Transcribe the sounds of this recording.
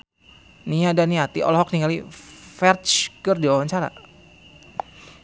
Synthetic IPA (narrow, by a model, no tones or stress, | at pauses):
niadaniat̪iʔɔ̰lɔɦɔk̚niŋalifɛrt͡ʃkərdiwawaɲt͡ʃaɾa̰